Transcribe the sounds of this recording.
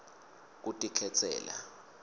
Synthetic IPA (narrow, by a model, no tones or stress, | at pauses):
k̬utʼikʰɛt͡sʰʼɛ̰ːla̰